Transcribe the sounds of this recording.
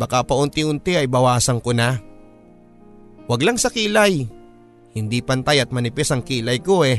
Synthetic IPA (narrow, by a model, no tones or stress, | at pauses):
bɐkapɐʔʊnt̪ɪʔʊnt̪ɪɐjbɐwaːsɐŋkona | wɐɡlaŋsɐkiːlɐj | hɪnd̪ipɐnt̪ajɐt̪̚mɐnɪpɛsɐŋkiːlɐjko̞ʔɛ